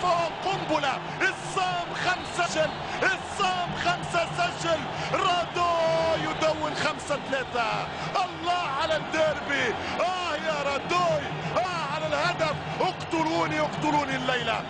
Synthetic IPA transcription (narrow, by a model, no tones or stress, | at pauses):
fawaqʊmbʊla | ʔɪsˤːaːmxamsaʃal | ʔɪsˤːaːmxamsasaʃal | ɾˤɑd̪oːjʊd̪awːɪnxamsat̪alaːt̪a | ʔɑlˤːɑːʕalad̪eːɾbi | ʔahjaɾˤɑd̪oːj | ʔaːʕalalhad̪af | jʊqt̪ʊluːnijʊqt̪ʊluːnilːajla̰